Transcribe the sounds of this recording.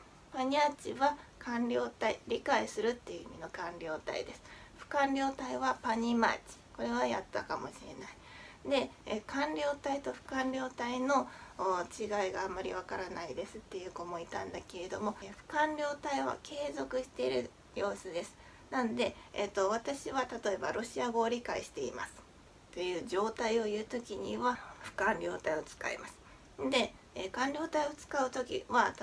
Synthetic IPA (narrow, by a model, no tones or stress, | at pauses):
paɲ̟iat͡ɕiβakʰãnɾʲo̞ːt̪aiɾʲikaisɨɾɯ̟t̪ːe̞jɯ̟imʲino̞kãnɾʲo̞ːt̪a̰ḭd̪e̞sɨ̥ɸɯ̟̥kãnɾʲo̞ːt̪aiβapaɲ̟ima̰t͡ɕi̥ko̞ɾe̞β̞aja̰t̪ːakamo̞̰ɕiɾe̞̰nai | d̪e̞kʰãnɾʲo̞ːt̪ait̪o̞ɸɯ̟̥kãnɾʲo̞ːt̪aino̞t͡ɕiɡaiɡaːmaɾʲiβ̞akaɾanaid̪e̞sɨt̪ːe̞jɯ̟ko̞mo̞it̪ã̰nd̪ake̞ɾe̞d̪o̞mo̞ɸɯ̟̥kãɾʲo̞ːt̪aiβa̰ke̞ːzo̞kɯ̟ɕi̥t̪e̞iɾɯ̟ | jo̞ːsɨd̪e̞sɨ̥ | nãnod̪e̞̰ːt̪ːo̞βat̪aɕiβat̪at̪o̞e̞ba̰ɾʔo̞ɕiaɡo̞ːɾʲikaḭɕi̥t̪e̞ḭma̰sɨ̥ | t̪e̞jɯ̟ːʑo̞ːt̪aio̞jɯ̟ːt̪o̞kʲiɲ̟iβaɸɯ̟̥kãɲɾʲo̞ːt̪aio̞t͡sɨ̥ka̰ḭmasɨ̥ | d̪e̞ | kãɲɾʲo̞ːt̪aio̞t͡sɨ̥kaɯ̟t̪o̞kʲḭβa